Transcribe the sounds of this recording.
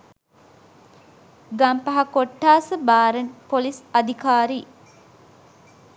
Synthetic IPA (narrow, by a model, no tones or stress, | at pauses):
ɡɐmpɐɦakoʈːaːsəbaːɾənpolisɐd̪ʱikaːɾiː